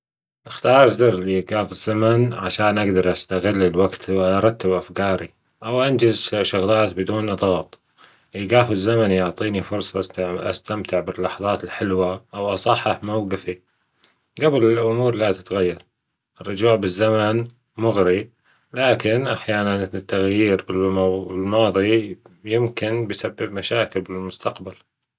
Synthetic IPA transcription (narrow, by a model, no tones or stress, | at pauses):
ʔɪxt̪ɑːɾˤzɪɾliɡaːfɪz̥ːamanʕaʃaːnʔaɡd̪ɑɾˤʔast̪aɣɪlːɪlwaɡt̪ʔɑɾˤɑt̪ːabʔafkɑːɾi | ʔawʔand͡ʒɪzʃʊɣlaːt̪bɪd̪uːnʔɑd̪ˤɣɑːt̪ˤ | ʔiɡaːfɪzːamanjʊʕt̪ˤiːnifʊɾˤsˤɑʔa̰st̪amt̪ɪʕbɪlːɑħɑðˤɑːt̪ɪlħɪlwaʔawʔɑsˤɑħːɑħmawɡɪfi | ɡablɪlʔʊmuːɾlat̪ɪt̪ɣajːɑɾˤ | ʔɪrˤːʊd͡ʒuːʕbɪzːaman | mʊɣɾi | laːkɪnʔaħjaːnanɪt̪ːaɣjiːɾbɪlɪlmɑːðˤijɪmkɪnbɪjsabːɪbmaʃaːkɪlbɪlmʊst̪ʰaqbal